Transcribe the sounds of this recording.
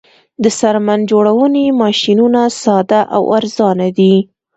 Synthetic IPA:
d̪əsaɾmand͡ʒoɽawənimɑʃinunasɑd̪aʔa̰waɾzɑnad̪i

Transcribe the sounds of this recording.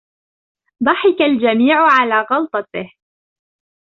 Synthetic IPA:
d̪ˤɑħɪkald͡ʒamiːʕʊʕalaːɣɑlt̪ˤɑt̪ɪh

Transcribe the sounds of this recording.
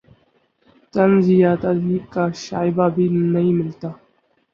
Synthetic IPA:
t̪ɐnzɪjaːt̪ɐziːkːaːʃaːɪbaːbʱiːnɐɦĩːmɪlt̪aː

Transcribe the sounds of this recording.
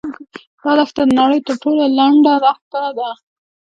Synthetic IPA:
d̪̥ɑɾɑxt̪ad̪ənaɽəjt̪əɾʈolalaɳɖaɾɑxt̪ad̪a

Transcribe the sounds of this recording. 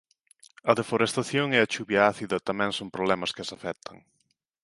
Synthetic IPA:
ɐðefoɾest̪aθjoŋɛɐt͡ʃuβjɐaθiðɐt̪amɛ̃ŋsompɾoβlɛmɐskɪɐsafɛt̪ʰɐŋ

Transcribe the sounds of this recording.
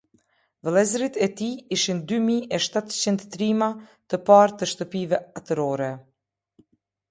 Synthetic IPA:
vlˠɛzɾit̪ɛt̪iiʃind̪ymiɛʃt̪at̪t͡ɕind̪ːɾimat̪əpaɾt̪əʃt̪əpivɛat̪əɾɔɾɛ

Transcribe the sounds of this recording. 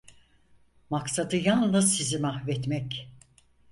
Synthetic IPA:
maksad̪ɯjalˠnɯzsizimaxvɛt̪mɛc

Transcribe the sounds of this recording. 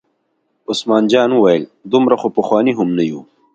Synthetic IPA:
ʊsmɑːnd͡ʒɑːnuwajəld̪ʊmɾaxopɐxwɑːniɦʊmnaju

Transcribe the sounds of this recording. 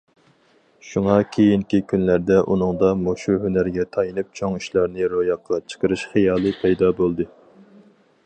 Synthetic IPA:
ʃuŋɑkʲʰejiŋkʲikʲʰynlæɾd̪ɛʔunɨŋd̪ɑmoʃuɦønæɾɡʲɛt̪ʰɑjɨnɨp̚t͡ʃʰoŋiʃlɑɾnɨɾojɑqʰːɑt͡ʃʰə̥qəɾɨʃχijɑːlˠɨpʰɛjd̪ɑbolˠd̪ɨ

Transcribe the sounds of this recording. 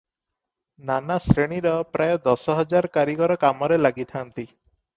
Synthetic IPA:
nanasɾeɽ̃iɾɔpɾajɔd̪ɔsɔɦɔd͡ʒaɾkaɾikɔɾɔkamɔɾelaɡit̪ʰant̪i

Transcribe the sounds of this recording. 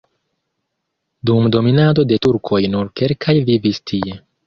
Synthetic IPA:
dumdo̞minado̞de̞tuɾkʰo̞jnuɾke̞ɾkʰajvivistʰie̞

